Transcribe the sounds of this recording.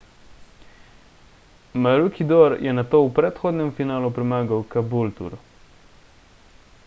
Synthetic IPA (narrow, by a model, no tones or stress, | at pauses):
maɾukid̪oɾjʔɛnat̪oːwpɾɛt̪xoːd̪nʲɛmfinaːlupɾimaːɡawkabult̪ṵɾ